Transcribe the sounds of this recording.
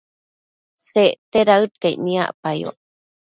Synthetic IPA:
seʔt̪eɾaɨt̪kejnia̰ʔpajo̰ʔ

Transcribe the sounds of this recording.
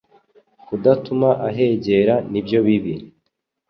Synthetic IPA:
kudatumaʔaɦe̞ːɟe̞ɾanibjo̞βiβi

